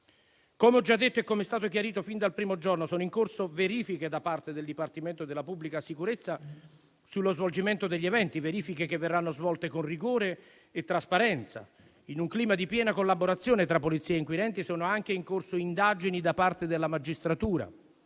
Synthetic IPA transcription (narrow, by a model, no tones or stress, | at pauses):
komeɔd͡ʒːad̪ːet̪ːoɛkːomɛst̪aːt̪ok̬jaɾiːt̪ofind̪alpɾiːmod͡ʒornosɔːnoʊiŋkorsoveɾiːfiked̪apart̪ed̪eld̪ipart̪iment̪od̪elːapubːlikasikuɾet̪sːa | sulːozvold͡ʒiment̪od̪eʎːevɛnt̪iveɾiːfikekevːerːanːozvɔlt̪ekonriɡoːɾeː | t̪ːɾaspaɾɛnt̪sa̰ | inuŋkliːmad̪ipjɛːnakolːaboɾat̪sːjɔːnet̪ɾapːolit̪sːiːeiŋkwiɾɛnt̪isoːnoaŋkeiŋkorsoind̪aːd͡ʒinid̪apart̪ed̪elːamad͡ʒist̪ɾat̪uːɾa̰